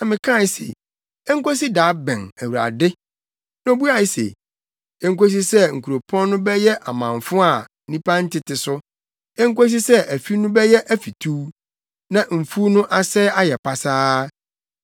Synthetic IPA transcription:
nã˨mɪ̃˨kʰã˦˨˦sḛ˨ | ɛ˦ŋ̩˦ko˦si˦daː˨˦bɛ̃˨næ˨wu˨ɾa̰˨dɪ˦ | nã˦o˦bu˦a˨i˦sḛ˨ | ɛ˦ŋ̩˦ko˦s̬i˦sɛ˦ŋ̩˨kʰu˨ɾo˨pʰɔ̃˦nːʊ̃˦bɛ˦jɛ˦ʔa˨mã˨ɱfʊ̃˦a˨˦ | nĩ˦pʰã˦n̩˦tʰɪ˨tɪ˨sʊ˦ | ɛ˦ŋ̩˦ko˦s̬i˦sɛ˦ʔæ˨fi˦nʊ̃˦bɛ˦jɛ˦ʔæ˦fi˨tʰu˦ | nã˨m̩˨fu˦nʊ̃˦ʔa˦sɛ˦a˦jɛ˨pʰa˨saː˦

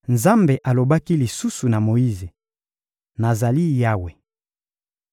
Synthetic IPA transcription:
nza˦mbe˨ʔa˨lo˨ba˦ki˦li˨su˦su˨na˨mo˨i˦ze˨ | na˨za˨li˦ja˦we˨

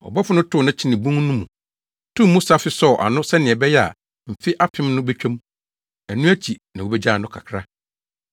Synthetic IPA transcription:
ɔ̰˨bɔ˦fʊ˦nʊ̃˦tʰʊ˦˨nã˦t͡ɕʰɪ˦nɪ̃˨bũ˦ŋ˦nʊ̃˦mũ˨ | tʰũː˦˨ũ˦sa˦fɪ˦sɔ˦˨ʔa̰˨nʊ̃˦sɛ˦nɪ̃˨ɛ˨bɛ˦jɛ˦a̰˨ | m̩˨fɪ˦ʔa˦pʰɪ̃˦mnʊ̃˦bɛ˦t͡ɕᶣa˦m˦ | æ˨nũ˦æ˦t͡ɕʰi˨nã˨wo˦bɛ˦d͡ʑa˦˨nʊ̃˦kʰa̰˨kʰɾa˦

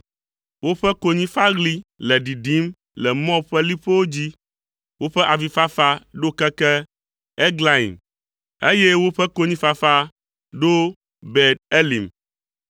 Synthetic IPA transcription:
wo˦ɸɛ˦ko˨ɲĩ˦fa˦ɡli˦lɛ˨ɖi˨ɖi˦m | lɛ˨mɔ̃˦ɸɛ˦li˦ɸe˦wo˦d͡ʑi˦ | wo˦ɸɛ˦ʔa˨vi˨fa˦fa˦ɖo˦kɛ˦kɛ˦ | ɛ˦ɡla˦ḭ˨m | e˦jɛ˦wo˦ɸɛ˦ko˦ɲĩ˦fa˦fa˦ | ɖo˦ | bɛ˨d̚e˦li˨m

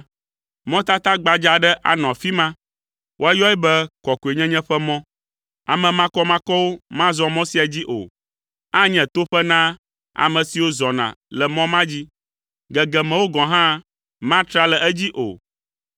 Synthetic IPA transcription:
mɔ̃˦t̪a˦t̪a˦ɡ͡ba˨d͡ʒa˨ɖɛ˦ʔa̰˨nɔ̃˨a˨fi˦mã˦ | wʔo˦a˦jɔ˦ɛ˦bɛ˦kɔ˨ku˨e˨ɲɛ̃˦ɲɛ̃˦ɸɛ˦mɔ̃˦ | a˨mɛ̃˨mã˦kɔ˦mã˦kɔ˦wo˦mã˦zɔ˦mɔ̃˦si˦ɛ˨d͡ʑi˦ʔo̰˨ | a˦ɲɛ̃˨t̪o˦ɸɛ˦nã˦ | a̰˨mɛ̃˨si˨wo˦zɔ˨nã̰˨lɛ˨mɔ̃˦mã˦d͡ʑi˦ | ɡɛ˨ɡɛ˨mɛ̃˨wo˦ɡɔ̃˨ɦã˦ | mã˦t̪ɾa˦lɛ˨ɛ˦d͡ʑi˦ʔo̰˨

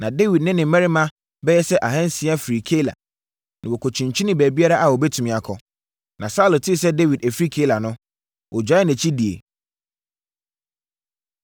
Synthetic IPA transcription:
nã˨de˦wi˨dnɪ̃˦nɪ̃˨˦mɛ̃˦ɾi˦mã˦ | bɛ˦jɛ˦sɛ˦ʔa˨ɦɛ̃˦n˦sɪ˨˦a˦fi˨ɾi˨kʰe˦la̰˨ | nɪ̃˨wɔ˨kʰo˨t͡ɕʰĩ˨ɲt͡ɕʰi˦nɪ̃˦bæː˨bi˦a˦ɾa˦ʔa˨wɔ˨bɛ˦tʰũ˨mĩ˨a˨kʰɔ˨ | nʔã˨sa˦lo˨tʰɪ˦˨s̬ɛ˦de˦wi˨dæ˨fɾi˦kʰe˦la˨nʊ̃˦ | wʔɔ˨d͡ʑᶣa˨˦ɪ˦nɛ̃˨t͡ɕʰi˦di˨ḛ˨

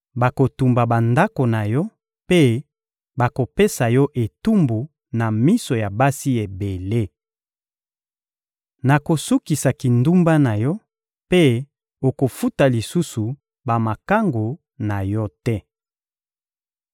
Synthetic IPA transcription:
ba˨ko˨tu˨mba˨ba˨nda˦ko˨na˨jɔ˦ | pe˦ | ba˨ko˨pe˦sa˨jɔ˦ʔe˨tu˦mbu˨ | na˨mi˦so˨ja˨ba˦si˦e˨be˨le˦ | na˨ko˨su˦ki˨sa˨ki˨ndu˦mba˦na˨jɔ˦ | pe˦ | o˨ko˨fu˦ta˨li˨su˦su˨ | ba˨ma˨ka˦ŋɡo˨ | na˨jɔ˦tɛ˦

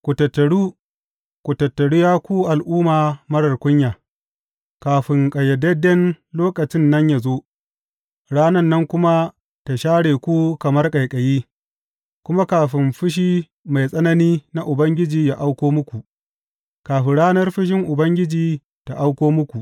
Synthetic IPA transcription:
kʷu˨tɐ˨tːɐ˨ɽuː˦ | kʷu˨tɐ˨tːɐ˨ɽu˦jaː˦kʷu˦ʔa˨lʔuː˦maː˨mɐ˦ɽɐ˨rkʷʊ˦ɲjaː˨ | kaː˨ɸɪ˨ŋkʼɐ˨jɛ˨dɛ˦dɛ˦n | loː˦kɐ˨t͡ʃɪ˦nːɐ˦ɲja˨zoː˦ | ɽaː˦nɐ˦nːɐ˦ŋkʷʊ˦ma˦ | ta˨ʃaː˦ɽeː˨kʷu˦kɐ˨mɐ˦rkʼɐ˨jkʼɐ˨jiː˦ | kʷʊ˦ma˦kaː˨ɸɪ˨mɸɪ˦ʃ̬iː˦ | ma˨jsʼɐ˦nɐ˦niː˦na˦ʔʊ˨bɐ˦ŋɡʲɪ˦d͡ʒiː˨ja˦˨ʔa˦wkʷoː˦mʊ˦kʷu˨ʔ | kaː˨ɸɪ˨ɽaː˦nɐ˦rɸɪ˦ʃ̬ɪ˦ŋʔʊ˨bɐ˦ŋɡʲɪ˦d͡ʒiː˨ | ta˨ʔa˦wkʷoː˦mʊ˦kʷu˨ʔ

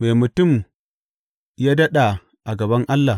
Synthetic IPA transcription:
me˨mu˨tʊ˦˨m | ja˦dɐ˦ɗa˨ | ʔa˨ɡɐ˨bɐ˦ŋʔa˦lːa˨

